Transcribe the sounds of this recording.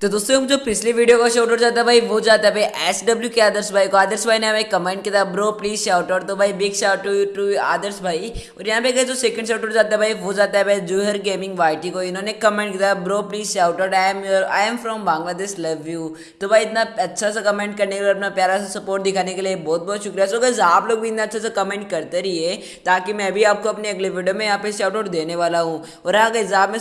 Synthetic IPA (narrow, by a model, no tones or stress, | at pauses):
t̪od̪uːst̪ɾod͡ʒopɪsliʋiːɖijokoʃoːʈoɾd͡ʒaːt̪abʱaːiʋod͡ʒaːt̪abʱaiʔɛːsɖɐbljukeaːd̪əɾsbʱaːikoaːd̪əɾsbʱaːineɐbʱaikɐmẽɳʈkit̪abɾoːpliːzʃaːʊʈəɖt̪obʱaːibiɡʃaːwʈojuːʈjuːba̰ːd̪əɾsbʱaːiɔːɾjɐɦãpeɡəd͡ʒoseːkə̃ɳɖʃaːʊʈəɾd͡ʒaːt̪aebʱaːiʋod͡ʒaːt̪aɦbʱaid͡ʒuːɦəɾɡeːmɪ̃ŋɡʋaːɪʈikoɪnõnekɐmẽɳʈkit̪abɾoːpliːzʃaːʊʈəɖamjoɾa̰ːjɛmfɾɔmbãːŋɡlad̪eːslɐʋjuː | t̪obʱaːiɪt̪naɐtːʃʰas̬akɐmẽːɳʈ̚kɐɾnekelːɐpnapjaːɾasasɐpoːɾʈ̚d̪ɪkʰaːnekeliebɔːt̪̚bʱɔːt̪ʃʊkɾijaɦsoɡəɪzaːbloːɡ̚bʱiɪt̪naɐtːʃʰasakɐmẽːɳʈ̚kɐɾt̪eɾiɛ | t̪aːkimɛ̃ɐbʱiaːp̚koɐpneɐɡleʋɪɖjomẽjɐɦãːpeɪsaːʊʈoːʈd̪eːneʋaːlaɦũː | ɔːɾjɐɦãkeɪzaːbmẽ